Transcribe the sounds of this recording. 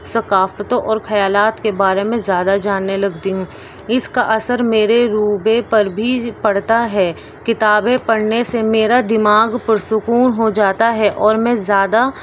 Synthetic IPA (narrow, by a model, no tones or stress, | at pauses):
sɐkaːft̪õʔɔːɾxɐjaːlaːt̪kebaːɾemẽzjaːd̪ad͡ʒaːnːelɐɡt̪iɦũ | ɪskaʔɐsəɾmeːɾeɾuːbepɐɾbʱipɐɽt̪aɦɛː | kɪt̪aːbẽpɐɽ̤nesemeːɾad̪ɪmaːɡpɐɾsʊkuːnɦod͡ʒaːt̪aɦɛʔɔːɾmɛ̃zjaːd̪a